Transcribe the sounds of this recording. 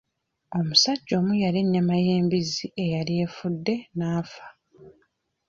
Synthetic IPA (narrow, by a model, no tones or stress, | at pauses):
o̞musaɟːo̞ːmujaleɲːamaje̞ːmbiziʔe̞jalije̞ːfudːe̞naːfḁ